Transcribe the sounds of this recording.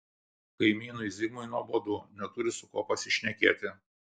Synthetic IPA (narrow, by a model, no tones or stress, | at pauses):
kɐɪmʲiːnʊɪzʲɪɡmʊɪnuɔboːd̪unʲɛt̪ʊɾʲɪsʊkoːpɐsʲɪʃʲnʲɛkʲeːt̪ʲɪ